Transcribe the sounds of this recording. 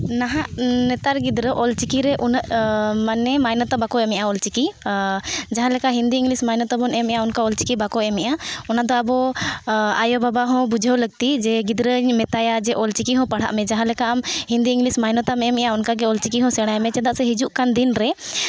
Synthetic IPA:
naɦaʔnɛt̪aɾɡid̪ɾəʔɔlt͡ʃikiɾɛʔunəʔmanɛmajnɔt̪ɔbakɔɛmɛʔaɔlt͡ʃiki | d͡ʒaɦãlɛkaɦind̪iiŋɡlismajnɔt̪ɔbɔnɛmɛʔaɔnkaɔlt͡ʃi̥kibakɔɛmɛʔaɔnad̪ɔabɔ | ajɔbabaɦɔ̃bud͡ʒʱəwləɡ̚t̪id͡ʒɛɡid̪ɾəɲmɛt̪ajad͡ʒɛʔɔlt͡ʃikiɦɔ̃pəɽ̤a̰ʔmɛd͡ʒaɦãlɛkaʔamhĩnd̪iiŋɡlismajnɔt̪amɛmɛʔaɔnkaɡɛɔlt͡ʃikiɦɔ̃sɛɽ̃ajmɛt͡ʃɛd̪aʔsɛɦid͡ʒuʔkand̪inɾɛ

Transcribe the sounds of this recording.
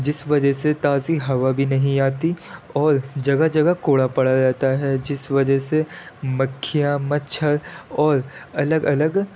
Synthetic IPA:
d͡ʒɪsʋɐd͡ʒəɦset̪aːziɦɐʋabʱinɐɦĩaːt̪iɔːɾd͡ʒɐɡad͡ʒɐɡakoːɽapɐɽaɾaːt̪aɦɛd͡ʒɪsʋɐd͡ʒəɦsemɐkʰːijamɐtt͡ʃʰəɾɔːɾɐləɡɐləɡ

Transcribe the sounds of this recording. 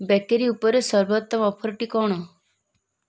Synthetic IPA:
bɛkeɾiupɔɾesɔɾbɔt̪ːɔmɔpʰɔɾɔʈikɔɽ̃ɔ

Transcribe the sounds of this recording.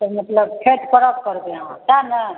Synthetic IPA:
t̪əmət̪ləb̚pʰeʈkəɾəp̚kəɾbeɦãtanə

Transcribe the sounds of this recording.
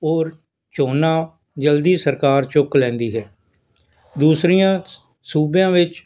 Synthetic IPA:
oːɾ | t͡ʃoːnãː | d͡ʒəld̪iːsəɾkaːɾt͡ʃʊklɛ̃ːnd̪iːɦɛː | d̪uːsɾijãː | suːbjãːʋɪt͡ʃ

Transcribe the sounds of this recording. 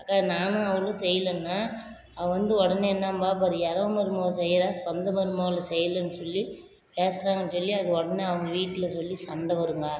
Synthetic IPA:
aːkːaːnaːnɐ̃ɐʋɐɭõsɛjːɐlɐnːaː | ɐɐʋɐnd̪ɯɔɽɐnɛɛnːaːmbaːp̬ɐðɯɛɾɐʋmɐɾɯmoːʋɐsɛjːɪɾãːsɔnd̪ɐmɐɾɯmoːʋlɐsɛjːɐlɐnːɯsɔlːi | peːsɐɾaːŋɡɐnːɯsɔlːiɐðɯɔɽɐneɐʋɐŋɡɐʋiːʈːɪlɐsɔlːisɐɳɖɐʋɐɾɯŋɡaː

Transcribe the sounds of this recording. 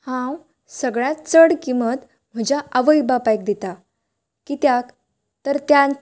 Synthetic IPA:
hãw | səɡɭjãt̪t͡səɽkimət̪ | m̤əd͡ʑaʔəʋəjbapajk̚d̪it̪a | kit̪jak | t̪əɾt̪ja

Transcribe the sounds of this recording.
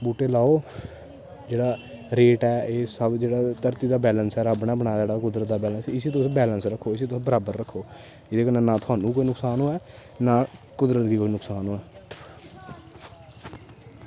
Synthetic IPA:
buːʈeːlaːoː | d͡ʒeːɽaː | ɾeːʈɛːeːsəbd͡ʒeːɽaːt̪əɾt̪iːd̪aːbɛːlənsɛːɾabɳaːbəɳaːeːɽaːkʊd̪ɾət̪̚d̪aːbɛːlənsɪsiːt̪ʊsbɛːlənsɾəkʰːoːɪsiːt̪ʊsbəɾaːbəɾːəkʰːoː | ɪd̪eːkənenãːt̪ʰʊaːnũːkoːiːnʊksaːnõːɛː | naː | kʊd̪ɾət̪ɡiːkoːinʊksaːnoːɛː

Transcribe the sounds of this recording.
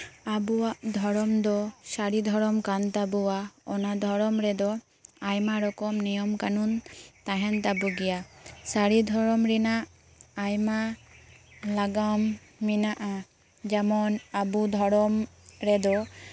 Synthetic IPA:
abuwaʔd̪ʱɔɾɔmd̪ɔsaɽid̪ʱɔɾɔmkant̪abuwaɔnad̪ʱɔɾɔmɾɛd̪ɔ | ajmaɾɔkɔmnijɔmkanunt̪aɦɛnt̪abuɡɛjasaɾid̪ʱɔɾɔmɾinaʔː | jma | laɡamː | inaʔa | d͡ʒɛmɔnabud̪ʱɔɽɔmɾɛd̪ɔ

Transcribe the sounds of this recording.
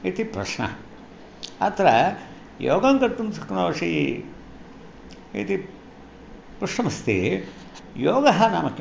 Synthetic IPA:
it̪ipɾɐʂɳɐ̰ | ɐ̰t̪ɐɾɐ | jo̰ːɡɐŋkɐɾt̪umsʰɐkːnoːʂi | ḭt̪i | pɾuʂʈɐmɐst̪ḭ | joːɡɐɦɐnaːmɐkː

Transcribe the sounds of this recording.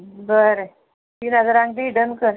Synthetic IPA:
bəɾe | t̪iːnad͡zəɾãŋɡd̪iɖənkəɾ

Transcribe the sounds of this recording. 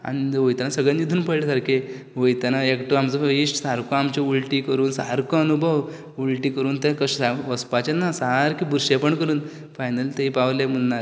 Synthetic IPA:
a̰ɽ̃iʋojt̪anasəɡɭenːid̪ʱuːnpəɽlesaɾkʰe | ʋojt̪anaekʈoamt͡səiʂʈsaɾkoamt͡ɕeuɭʈiːkəɾuːnsaɾkəənubʱəʋ | ulʈiːkəɾuːnt̪ekəɕaʋəspat͡ɕenasaɾkibuɾɕepəɳkəɾuːn | fajnəlt̪eipaʋlem̤unːaɾ

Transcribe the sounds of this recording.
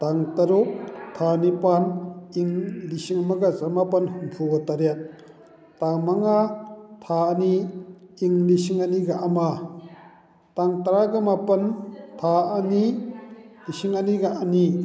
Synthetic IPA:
taŋtaɾot̪ʰanipaniŋlisiŋamaɡazɐmapɐnhuŋpʰuɡɐtaɾjat̪̚ | taŋmaŋat̪ʰaːniː | ŋlisiŋaniɡaʔama | taŋtɐɾaɡamapɐntʰaɐni | lisiŋaniɡaʔani

